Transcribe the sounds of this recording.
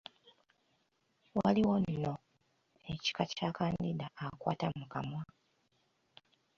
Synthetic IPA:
waliwonːo̞ | eci̥kacakaːndidaːkwa̰ːtamukamwa

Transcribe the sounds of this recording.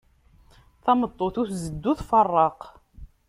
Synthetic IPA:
θæmət̪ˤːoθʊθzəd̪ːuθfɑrˤːɑq

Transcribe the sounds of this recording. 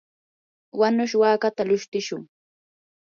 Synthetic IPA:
wanʊʃwaːkat̪alʊʃt̪ɪʃʊŋ

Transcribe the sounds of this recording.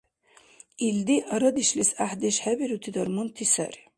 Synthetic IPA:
ild̪iʔaɾɐd̪iʃlisaħd̪eʃħabiɾut̪ʰid̪ɐrmunt̪ʰisa̰r

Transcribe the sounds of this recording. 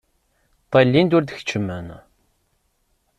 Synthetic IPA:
t̪ˤːelːind̪ʊɾd̪əçə̥t͡ʃːəmːən

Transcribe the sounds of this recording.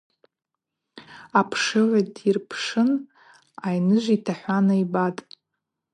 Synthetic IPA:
apʰʂɨʕʷadirpʰʂɨn | ajnɨʒʷitʰaħʷanaibatʼ

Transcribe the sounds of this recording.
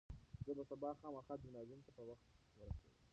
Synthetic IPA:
zəbasabɑxɑməxɑd̪ʊnjɑd̪unt̪apəwaxt̪ | wəɾasḛwi

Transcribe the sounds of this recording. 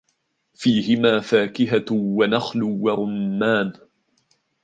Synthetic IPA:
fiːhɪmaːfaːkɪɦawanaxlʊwaɾʊmːaːn

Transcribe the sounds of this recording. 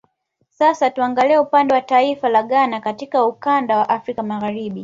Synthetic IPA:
sasatuaŋɡaliɛupandɛwataifalaɠanakatikaukandawaʔafɾikamaɣaɾiɓi

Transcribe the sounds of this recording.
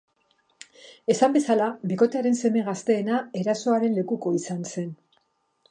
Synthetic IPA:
e̞sambe̞salabiko̞t̪eaɾe̞nse̞me̞ɣast̪e̞ːnae̞ɾaso̞aɾe̞nle̞kuko̞isanse̞n

